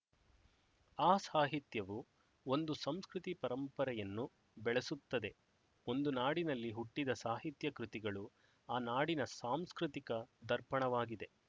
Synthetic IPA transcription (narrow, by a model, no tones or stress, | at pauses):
aːsaːɦit̪jɐʋu | o̞nd̪usɐmskɾɪt̪ipɐɾɐmpɐɾɛjɐnːu | bɛɭesut̪ːɐd̪e̞ | o̞nd̪unaːɽinɐlːiɦuʈːid̪ɐsaːɦit̪jɐkɾut̪iɡɐɭu | aːnaːɽinɐsaːmskɾit̪ikɐd̪ɐɾpɐɳɐʋaːɡid̪e̞